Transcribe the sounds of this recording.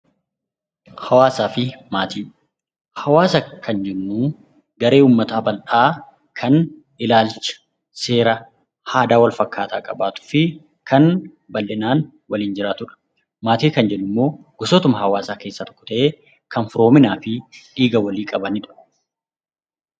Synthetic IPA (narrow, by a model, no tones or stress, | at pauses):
hɐwaːsaːfɪmaːt̪iː | hɐwaːsɐkʰɐnd͡ʒɛnːuː | ɡɐɾe̞ːuːmːɐt̪aːbɐlᶑaː | kʰɐn | ɪlaːlt͡ʃɐ̥ | se̞ːɾɐ | haːd̪aːwɐlfɐkːaːt̪aːkʼɐbaːt̪ʊ̥fɪ | kʰɐn | bɐlːɪnaːn | wɐliːnd͡ʒɪɾaːt̪ʊᶑɐ̥ | maːt̪iːkɐnd͡ʒɛnːʊmːo̞ː | ɡ̥ɔsoːt̪ʊmɐhɐwaːsaːke̞ːsːɐt̪ɔ̥kːɔ̥t̪ɐʔeː | kɐnfʊɾo̞ːmɪnaːfɪᶑiːɡɐwɐliːkʼɐbɐnɪᶑʊ̥